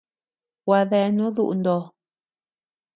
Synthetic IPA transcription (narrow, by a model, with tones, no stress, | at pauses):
wa˨ðɛ˨nũ˦ðṵ˦ʔndɔ˨